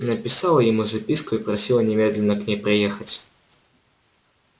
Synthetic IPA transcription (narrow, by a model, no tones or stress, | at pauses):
nɐpʲisawˠɐjamuzɐpʲiskuipɾɐsʲilˠɐnʲɛmʲɛd̪lʲɛnɐknʲɛpɾɨjɛxɐt͡sʲ